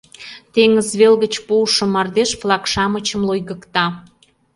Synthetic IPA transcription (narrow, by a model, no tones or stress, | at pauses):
t̪eŋəzβelɣət͡ɕpuʃŏmɑrd̪eʃflˠɑkʃɑmət͡ɕə̆mlojɣə̆kt̪ɑ